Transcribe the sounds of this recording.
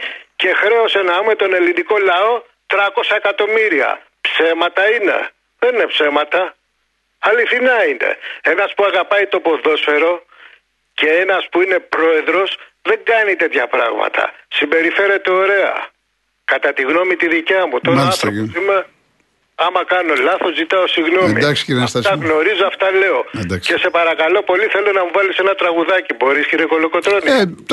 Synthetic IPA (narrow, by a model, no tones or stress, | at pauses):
ce̞xɾe̞osenɐumet̪o̞ne̞liniko̞lɐo̞ | t̪ɾɐko̞sɐekɐt̪o̞miɾiɐ̰ | pse̞mɐt̪ɐine̞̰ | ðe̞nine̞pse̞mɐt̪ɐ | ɐliθinɐinḛe̞nɐspuɐɣɐpɐit̪o̞po̞ðo̞sfe̞ɾo̞ | ce̞enɐspuine̞pɾo̞e̞ðɾo̞sðe̞ŋɡɐnit̪e̞t̪çɐpɾɐ̰ɣmɐ̰t̪ʰɐ̰simbe̞ɾife̞ɾe̞t̪eo̞ɾe̞ɐ̰ | kɐt̪ɐt̪iɣno̞mit̪iðicɐmut̪oɾɐnθosime | ɐmɐkɐno̞lɐθo̞zit̪ɐosiɣno̞mid̪ɐksi̥ciɾɐst̪ɐsɣno̞ɾizoɐft̪ɐle̞o̞d̪ɐksce̞se̞pɐɾɐkɐlo̞po̞liθe̞lo̞nɐmuvɐlise̞nɐt̪ɾɐɣuðɐcibo̞ɾisciɾeko̞loko̞t̪ɾo̞ni